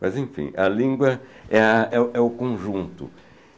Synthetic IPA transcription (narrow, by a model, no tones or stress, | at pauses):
mɐzẽfḭ̃ɐlĩŋɡwɐɛɐɛʔɛʊkõʒũnt̪ʊ̰